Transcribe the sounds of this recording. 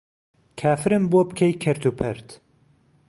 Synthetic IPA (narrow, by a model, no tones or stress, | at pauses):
kʰaːfɨɾɨmbobkʰɐjkʰɐɾt̪ʰuːpʰɛɾt̪